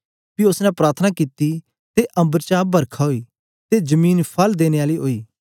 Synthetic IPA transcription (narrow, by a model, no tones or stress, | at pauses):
piʊsnɛ̃pɾaːɾt̪ʰənakiːt̪i | t̪eʔɐ̃mbəɾt͡ʃabɐɾkʰaɦoi | t̪ezəmiːnpʰɐld̪eːneaːliɦoːiː